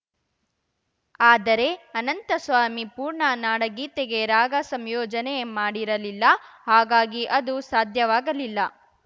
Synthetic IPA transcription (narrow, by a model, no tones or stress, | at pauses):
aːd̪ɐɾe̞ɐnɐnt̪ɐsʋaːmipuːɾɳɐnaːɽɐɡiːt̪eɡe̞ɾaːɡɐsɐmjɔːd͡ʒɐnejemaːɽiɾɐlilːɐhaːɡaːɡiʔɐd̪usaːd̪ʱjɐʋaːɡɐlilːɐ